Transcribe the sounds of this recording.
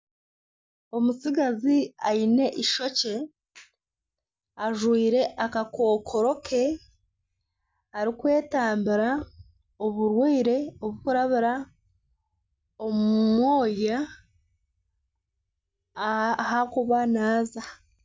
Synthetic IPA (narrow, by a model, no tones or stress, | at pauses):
o̞musiɡaziaine̞ʔiʃo̞ce̞ | aʒwiːɾe̞ʔakako̞ːkʰo̞ɾo̞kʰe̞ | haɾikwe̞ːtaːmbiɾa | oβuɾwiːɾe̞oβukuɾaβiɾa | omuumwo̞ːja | hakuβanaːza